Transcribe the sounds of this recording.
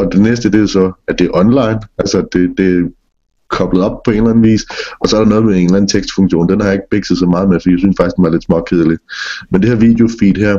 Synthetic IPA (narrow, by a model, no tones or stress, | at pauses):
ɒ̽d̥enesd̥əd̥e̝josɒ̽æd̥e̝æʔɒ̽nlɑ̈ɪ̰nælsɐd̥e̝d̥e̝æ | kʰɒ̽b̥ləð̞̩ˠɒ̽b̥̚pʰɒ̽e̝ːnlæn̩ʋḭːsɒ̽sɒ̽ɐɾ̥ɑ̈nɔ̽ːð̞̩ˠmee̝ːnlæn̩t͡sʰeɡ̥sd̥fɔ̽ŋɕo̝̰ːnd̥enhɑ̈jɑ̈e̝ɡ̥əb̥eɡ̥səð̞̩ˠsɑ̽mɑ̈ːðˠmefɒd̥iːjæsynsfɑ̈ɡ̥isd̥emäɐle̝d̥smɒkʰeð̞ˠlid̥mend̥e̝heɐʋid̥eo̝fḭːd̥hæɐ̰